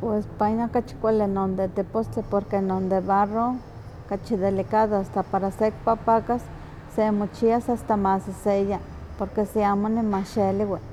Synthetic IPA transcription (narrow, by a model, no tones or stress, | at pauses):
pwespaɲakat͡ʃi̥kʷalenond̪et̪epostepoɾkenond̪eβaro | kat͡ʃid̪elikaðoast̪apaɾasek̚papakasː | emot͡ʃiasast̪amasiseja | poɾkesiamonimaʃeliwe